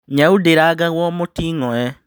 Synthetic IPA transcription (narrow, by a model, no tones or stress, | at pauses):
ɲaudeɾaɣaɣwɔmotiːŋɔɛ